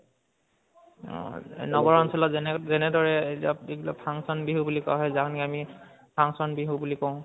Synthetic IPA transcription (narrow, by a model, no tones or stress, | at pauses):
nɔbɔɹɔnsɔlɔzɛnzɛnɛdɔɹɛetap̚biɡlɔ̰pʰaŋsɔnbiɦubulikɔaɦɔjzakniami | pʰaŋsɔnbiɦubulikɔʊ̃